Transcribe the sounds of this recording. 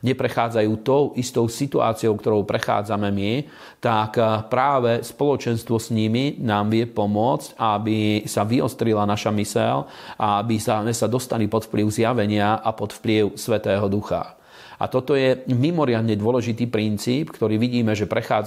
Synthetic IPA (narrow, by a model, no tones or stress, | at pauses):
ɲɛpɾɛxaːd͡zajuːt̪ɔʊʔist̪ɔʊsit̪ua̰ːt͡siɔʊkt̪ɔɾɔʊpɾɛxa̰ːd͡zamɛmi | t̪akpɾaːʋɛspɔlɔt͡ʃɛnst̪ʋɔsɲiminaːmʋɪɛpɔmʊɔt͡scabisaʋiɔ̰st̪ɾilanaʃamisɛl | aabisamɛsad̪ɔst̪alipɔt̪fpliʊzjaʋɛɲɪaʔapɔt̪fpliʊsʋɛt̪ɛːɦɔd̪uxa̰ | ʔa̰t̪ɔt̪ɔjɛmimɔɾɪad̪ɲɛd̪ʊɔlɛʒit̪iːpɾint͡siːpkt̪ɔɾiːʋiɟiːmɛʒɛpɾɛxaː